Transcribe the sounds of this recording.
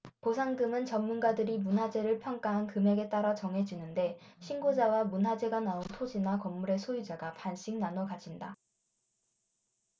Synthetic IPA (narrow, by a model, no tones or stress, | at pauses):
kosʰaŋɡɯmɯnt͡ɕʌmːunɡadɯɾimunɦad͡ʑe̞ɾɯɭpʰjʌŋk͈aɦankɯmeɡe̞t͈aɾat͡ɕʌŋɦe̞d͡ʑinɯnde̞ɕʰinɡod͡ʑawamunɦad͡ʑe̞ɡanaontʰod͡ʑinakʌmːuɾe̞sʰojud͡ʑaɡapanɕ͈iŋnanʌkad͡ʑinda